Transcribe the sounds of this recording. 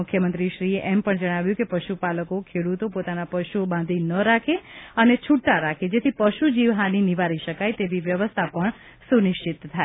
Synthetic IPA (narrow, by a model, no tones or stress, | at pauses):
ʊkʰjəmənt̪ɾiʃɾieʔempəɳd͡ʒəɽ̃aʋjũkepəʃupaləkokʰeɽut̪opot̪anapəʃuobãnd̪ʱinəɾakʰeənet͡ʃʰuɽt̪aɾakʰed͡ʒet̪ʰipəʃud͡ʒiʋɦaniniʋaɾiʃəkajt̪eʋiʋjəʋəst̪ʰapəɳ | sunɪʃt͡ʃit̪tʰːae